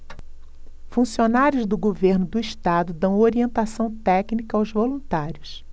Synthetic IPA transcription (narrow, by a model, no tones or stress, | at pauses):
fũsionaɾjʊzd̪ʊɡoveɾnʊd̪ʊiʃt̪ad̪ʊd̪ɐ̃w̃oɾiẽnt̪asɐ̃w̃t̪ɛknikɐawzvolũt̪aɾjʊs